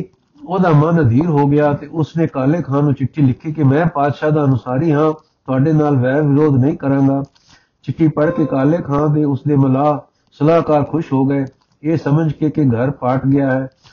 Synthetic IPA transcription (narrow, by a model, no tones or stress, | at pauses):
oːd̪aːmənːəd̪iːɾɦoːɡɪjaːt̪eːʊsneːkaːleːkʰãːnũːt͡ʃɪʈʰːiːlɪkʰːiːkɪmɛ̃ːpaːd̪ʃaːd̪aːənʊsaːɾiːɦãː | t̪ʊaːɖeːnaːlʋɛːɾʋɪɾoːd̪nəĩːkəɾãːɡaː | t͡ʃɪʈʰːiːpəɽkeːkaːleːkʰãːd̪eːʊsd̪eːməlaː | səlaːɦkaːɾkʰʊʃɦoːɡəeː | eːsəməd͡ʒkekɪɡʱəɾpaːʈɡɪjaːɦɛː